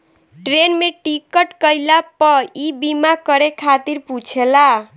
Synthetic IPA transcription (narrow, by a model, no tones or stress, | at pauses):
ʈɾenmeʈikəʈkəjlapəibimakəɾekʰat̪iɾput͡ʃʰela